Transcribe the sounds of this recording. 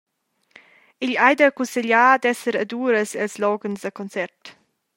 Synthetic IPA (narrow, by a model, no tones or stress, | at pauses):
iʎajd̪əkunsɛʎaːd̪ɛsəɾad̪uːɾəsɛlslɔɡənzd̪əkɔnt͡sɛrt